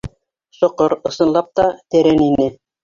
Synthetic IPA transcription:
ʃŏqɤɾɤ̆sɤ̆nlˠɑp̚t̪ɑt̪æɾæninɘ

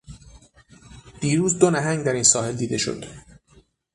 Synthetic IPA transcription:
d̪̥iːɾuːzd̪onæɦæŋd̪æɾinsɒːhe̞ld̪iːd̪e̞ʃo̰d̪̥

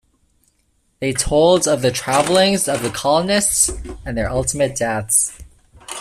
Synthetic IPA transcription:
ðeɪtʰoʊlˠdʌvðɨtʰɹ̥ævl̩ˠɪ̃ŋzʌvðɨkʰɑlˠənɪstsɨ̃nðə˞ʔʌlˠtəmɨt̚d̥æts

